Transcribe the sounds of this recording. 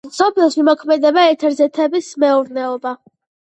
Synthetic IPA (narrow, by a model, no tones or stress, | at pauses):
sɔpʰlɔsmimɔkʰmɛd̪ɛbaɛt̪ʰɛɾzɛt̪ʰɛbismɛuɾnɛɔba